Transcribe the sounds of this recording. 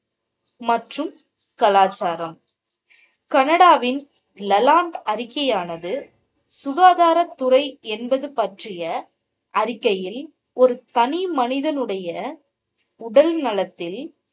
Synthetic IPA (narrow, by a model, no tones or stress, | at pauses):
mɐʈrɯm | kɐlaːt͡ʃːaːɾɐm | kɐnɐɽaːʋɪn | lɐlaːɳɖɐɾɪkːɐjaːnɐðɯ | sʊɣaːðaːɾɐt̪ːʊrɐɪɛnbɐðɯpɐʈrɪjɐ | ʔɐɾɪkːɐjɪl | ɔɾɯt̪ɐnɪmɐnɪðɐnɯɽɐjɐ | ʊɽɐlnɐlɐt̪ːɪl